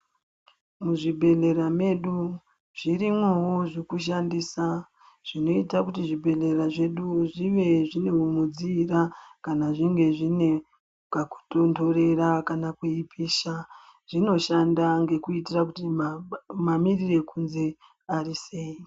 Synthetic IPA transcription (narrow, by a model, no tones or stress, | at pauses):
muʐibʱe̞ɮe̞ɾameɗu | ʐirimwewoʐekuʃandisa | ʐ̥ino̞itakutiʐibʱe̞ɮe̞raʐe̞ɗuʐiʋe̞ʐine̞umud͡ziːrakanaʐiŋɡe̞ʐine̞ | kaku̥tonto̞re̞ɾakanakweipiːʃa | ʐ̥ino̞ʃandaŋɡe̞kuitirakuti | mamirire̞kunze̞ | ariseːi